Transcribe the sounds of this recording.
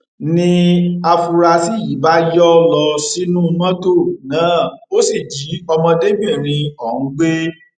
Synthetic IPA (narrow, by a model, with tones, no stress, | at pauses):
nĩ˧a˧fu˧ɾa˧si˦ji˨˦ba˦jɔ˦lɔ˧si˦nũ˦˧mã˦to˦˨nãː˨˦˨o˦si˦˨d͡ʒi˨˦ɔ˧mɔ̃˧de˦bĩ˦˨ɾ̃ĩ˧ɔ˨ũ˨˧˦ɡ͡be˦